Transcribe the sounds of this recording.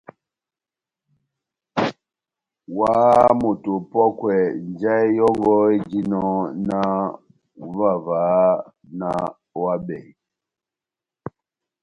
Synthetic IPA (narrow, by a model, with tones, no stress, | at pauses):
wa˦mo˨to˨pɔ˦kwɛ˨nd͡ʒa˦i˦jɔ˦ŋɡɔ˦i˦d͡ʒi˦nɔ˦na˦ | va˨vaː˨˦ | na˦ | wa˦bɛ̰˨